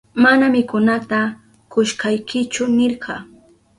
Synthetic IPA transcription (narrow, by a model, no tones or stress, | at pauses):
manamɪkʊnat̪a | kʊʃkajkɪt͡ʃʊnɪɾɢɑ